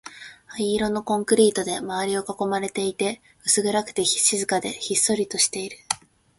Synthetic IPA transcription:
aiːɾo̞no̞kõ̞ŋkɯ̟ɾʲiːt̪o̞d̪e̞maaɾʲio̞kako̞maɾe̞t̪e̞it̪e̞ | ɯ̟sɨɡɯ̟ɾakɯ̟̥t̪e̞çi̥ɕizɨkad̪e̞̰çisːo̞ɾʲit̪o̞ɕi̥t̪e̞iɾɯ̟

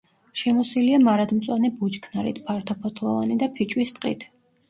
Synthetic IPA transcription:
ʃɛmɔsiliamaɾad̪mt̪sʼwanɛbut͡ʃkʰnaɾḭt̪ʰpʰaɾt̪ʰɔpʰɔt̪ʰlˠɔvanid̪apʰit͡ʃʼwist̪ʼqʼḭt̪ʰ

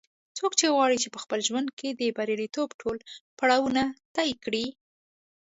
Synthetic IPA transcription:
t͡sokt͡ʃeɣwɑɽit͡ʃepəxpəlʒwand̪̚kʰed̪əbaɾjalit̪obʈʰolpaɽɑwunat̪ɑjkɽi

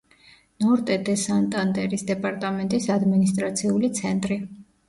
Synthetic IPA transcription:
nɔɾt̪ʼɛd̪ɛsant̪ʼand̪ɛɾisd̪ɛpʼaɾt̪ʼamɛnt̪ʼisad̪minist̪ʼɾat̪sʰiulit̪sʰɛnt̪ʼɾi

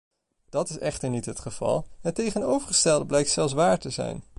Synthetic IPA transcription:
d̥ɑtɪsɛχtəɹnitɦətχəv̥ɑ̰lˠətejχənowvəɹχəstɛlˠdəblɛjk̚tsɛlˠsʋaːɹtəzɛ̰jn

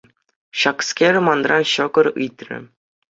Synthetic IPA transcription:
ɕɑkskʲerʲɘ̆mɑnrɑnɕɤ̆ɡɤ̆ɾɯt̪ʲrʲɘ̰̆

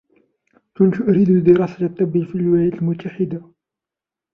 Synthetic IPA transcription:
kʊnt̪ʊʔɾid̪ud̪ɪɾˤɑsalɑt̪ˤːɑbifilwlæjæt̪lmʊt̪ʰːaħɪd̪a

